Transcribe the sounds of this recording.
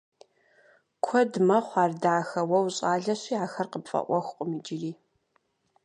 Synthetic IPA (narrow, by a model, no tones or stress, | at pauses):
kʷʰɔdmɐχʷɑːrdaʕxɐwɐwɕʼaːɮɐɕiːaːxɐrqəpfʼɐ̰ʔʷɔxʷqʷʼʊmid͡ʒɪriː